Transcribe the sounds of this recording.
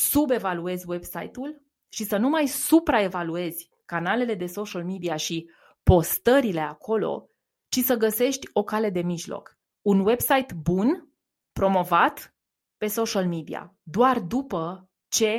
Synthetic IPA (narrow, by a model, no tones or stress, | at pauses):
sube̞value̞zʲwe̞bsa̰jt̪ul | ʃisənumajsupɾae̞value̞zʲ | kanale̞le̞d̪e̞so̞ʃalmid̪iaʃi | po̞st̪əɾile̞akʰo̞lo̞̰ | t͡ʃisəɡəse̞ʃt̪ʲo̞kale̞d̪e̞miʒlo̞̰k | unwe̞bsajt̪bun | pɾo̞mo̞vat̪ | pe̞so̞ʃalmid̪ḭa̰d̪oard̪upə | t͡ʃe̞